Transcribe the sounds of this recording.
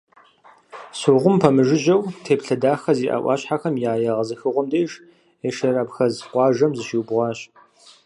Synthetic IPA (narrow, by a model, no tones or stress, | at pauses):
soʁʷʊmpʰɐmɨʒɪʒɐwtʰeːpɬɐdaːxɐziːʔa̰ːʔʷɑ̰ːɕħaxɐmjaːjɐʁɐzɨxɨʁʷʊmdeːʒ | eʃɐraːpxɐzqʷɑːʒɐmzɨʃiwbʁʷɑːɕ